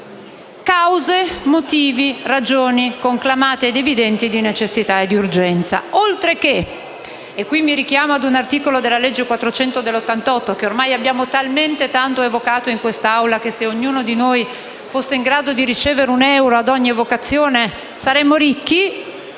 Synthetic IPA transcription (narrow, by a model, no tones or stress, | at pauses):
kawzemot̪iːvirad͡ʒoːnikoŋklamaːt̪eed̪evid̪ɛnt̪id̪inet͡ʃesːit̪aed̪ːiurd͡ʒɛnt̪sa̰olt̪ɾekeː | kːwimːiɾik̟jaːmoad̪unart̪iːkolod̪elːaled͡ʒːekwat̪ːɾot͡ʃɛnt̪od̪elːot̪ːant̪ɔt̪ːokeormajabːjaːmot̪alment̪et̪ant̪oevokaːt̪oiŋkwest̪aawlak̟eseoɲːuːnod̪inoj | fosːeiŋɡɾaːd̪od̪iɾit͡ʃeːveɾeunɛwɾoad̪ɔɲːivokat̪sːjoːne | saɾɛmːoɾikːi